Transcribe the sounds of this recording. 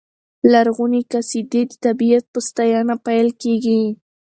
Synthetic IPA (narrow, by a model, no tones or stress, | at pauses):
laɾɣʊnikasɪd̪ed̪ɪt̪abijat̪̚pʊst̪ajɑnapajlkeɡi